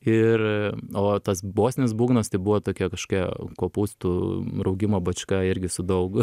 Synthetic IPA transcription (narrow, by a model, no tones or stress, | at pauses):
ɪroːt̪ɐsboːsʲnʲɪnʲɪsbuːɡnɐst̪ɐɪbʊʋoːt̪oːkʲiɛkɐʃko̥kʲiɛkoːpuːst̪uɾɐʊɡʲɪmɐbɐt͡ʃʲkɑɪɾʲɡʲɪsʊd̪ɐʊk